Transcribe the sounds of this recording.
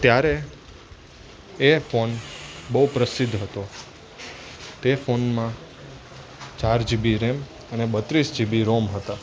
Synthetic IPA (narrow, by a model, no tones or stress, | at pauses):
t̪jaɾe | efonbəupɾəsɪd̪ʱɦət̪o | t̪efonmã | t͡ʃaɾd͡ʒibiɾem | ənebət̪ɾisd͡ʒibiɾomɦət̪a